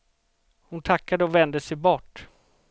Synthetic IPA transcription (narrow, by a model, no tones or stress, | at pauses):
hʊnt̪ʰakːad̪əɔvɛnd̪əsɛjbɔʈː